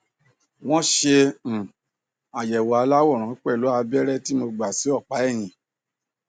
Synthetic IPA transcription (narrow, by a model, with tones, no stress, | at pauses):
w̃ɔ̃˦ʃẽ˧˨ | a˨jɛ˨wɔ˨a˧la˦wɔ˦˨ɾ̃ã˨˦k͡pɛ˦˨lo˨˦a˧bɛ˦ɾɛ˦ti˦mo˧ɡ͡ba˨si˨˦ɔ˦˨k͡pa˨˦ɛ˦˨j̃ĩ˨